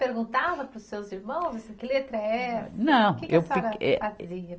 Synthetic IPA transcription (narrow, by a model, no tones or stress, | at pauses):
peɾɡũnt̪avɐpɾʊsewziɾmɐ̃w̃zɐsĩkɪlet̪ɾɐɛnɐ̃w̃kɪkewiɾɐɛ̰atɾi